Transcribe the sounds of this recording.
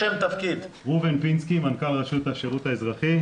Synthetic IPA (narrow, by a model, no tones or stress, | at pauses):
emt̪afkid̪ | ʁuvenpinskimankalʁaʃut̪afʃeʁut̪aezʁaχi